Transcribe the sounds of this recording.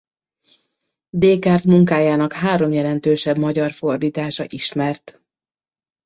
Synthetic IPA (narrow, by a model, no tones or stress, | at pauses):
d̪eːkaːrt̪muŋkaːjaːnɒkhaːɾo̞mjɛlɛnt̪øːʃɛbmɒɟɒrfo̞rd̪iːt̪aːʃɒ̰ʔiʃmɛrt̪